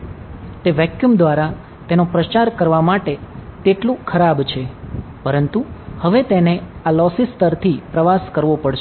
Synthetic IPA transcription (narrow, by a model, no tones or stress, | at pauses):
t̪eʋɛkjumd̪ʋaɾa | t̪enopɾət͡ʃaɾkəɾʋamaʈet̪eʈlũkʰəɾabt͡ʃʰepəɾənt̪uhəʋet̪enealɔsist̪əɾt̪ʰipɾəʋaskəɾʋopəɽʃ